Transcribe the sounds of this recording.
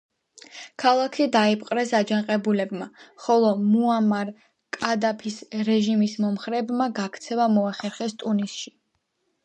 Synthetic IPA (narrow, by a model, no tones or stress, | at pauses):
kʰalˠakʰid̪aipʰʼqʼɾɛsad͡ʒaŋqʼɛbulɛbmaχɔlˠɔmuamaɾ | kʼad̪apʰisɾɛʒimismɔmχɾɛːbmaɡakʰt̪sʰɛvamɔaχɛɾχɛst̪ʼunisʃi